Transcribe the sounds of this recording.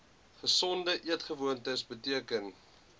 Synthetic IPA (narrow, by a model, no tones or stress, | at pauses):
χəsɔndəʔiətχəvuəntəsbətiəkən